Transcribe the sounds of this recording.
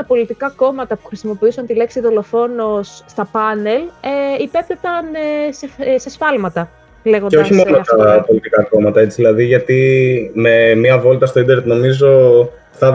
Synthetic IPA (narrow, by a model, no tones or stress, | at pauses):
ɐpo̞lit̪ikɐko̞mɐt̪ɐpu̥xɾisimo̞piusɐnt̪ile̞ksiðo̞lo̞fo̞no̞sːt̪ɐpɐne̞leipept̪et̪ɐnsese̞sfɐlmɐt̪ɐ | le̞ɣonceoɐçimo̞not̪ɐpo̞lit̪ikɐko̞mɐt̪ɐe̞t͡si̥ðilɐðiʝɐt̪ime̞mɐvo̞lt̪ɐst̪oid̪eɾet̪no̞mizo̞ | θɐ